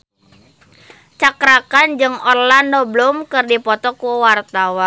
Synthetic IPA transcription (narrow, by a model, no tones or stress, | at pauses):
t͡ʃakɾakand͡ʒɨŋɔrlanɔblɔmkɨrdipɔt̪ɔkuwart̪awa